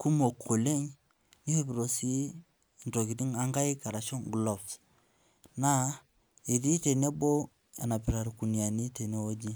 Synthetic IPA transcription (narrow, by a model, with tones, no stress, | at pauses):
ku˦mo˨kʰo˨le˦ɲ | ni˦he˦bi˨ɾo˨si˦˨ | nto˨ki˨di˦ŋa˦ŋɡa˦i˦ka˨ɾa˨ʃɔ˦ŋɡlɔ˨fs | na˦ | e˨di˦te˨ne˦bo˦ | a˨na˨pi˨ɾa˨ɾku˨ni˨a˨ni˦te˨ne˦o˦d͡ʒi˦